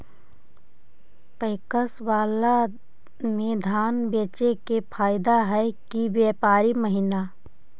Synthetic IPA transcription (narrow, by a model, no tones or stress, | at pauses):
pəɪkəswaːla | mẽd̪ʱaːnbeːt͡ʃekepʰaːɪd̪aɦɛkibjeːpaːɾiməɦɪna